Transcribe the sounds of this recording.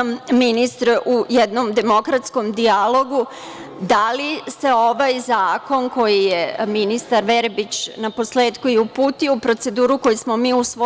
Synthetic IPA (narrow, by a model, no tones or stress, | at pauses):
mminist̪ɾujɛd̪no̞md̪e̞mokɾat̪sko̞md̪ialˠo̞ɡu | d̪alise̞o̞ʋajzaːko̞nko̞jijeminist̪aɾʋeɾbit͡ɕnapo̞sle̞ːt̪kuiupuːt̪ioupɾo̞t̪se̞d̪uːɾuko̞jismo̞miːuso